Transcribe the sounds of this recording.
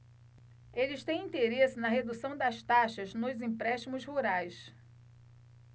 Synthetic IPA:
elɪʃt̪ẽj̃ĩnt̪eɾesɪnɐɦed̪usɐ̃w̃d̪ɐʃt̪aʃɐznʊzĩpɾɛʃt̪imʊzhuɾajs

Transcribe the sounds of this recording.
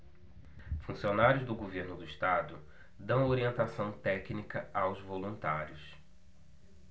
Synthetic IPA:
fũsionaɾjʊzd̪ʊɡoveɾnʊd̪ʊiʃt̪ad̪ʊ | d̪ɐ̃w̃oɾiẽnt̪asɐ̃w̃t̪ɛknikɐawzvolũt̪aɾjʊs

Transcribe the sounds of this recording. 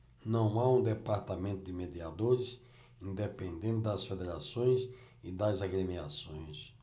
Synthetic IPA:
nɐ̃w̃aũd̪epaɾt̪amẽnt̪ʊd̪ɪmed̪iad̪oɾɪs | ĩnd̪epẽnd̪ẽnt̪ɪd̪ɐsfed̪eɾasõj̃s | ɪd̪ɐzaɡɾemiasõj̃s

